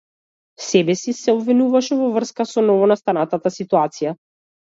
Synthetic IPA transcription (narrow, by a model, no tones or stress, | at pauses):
sɛbɛsisɛɔbvinuvaʃɛvɔvr̩skasɔnɔvɔnast̪anat̪at̪asit̪uat̪sija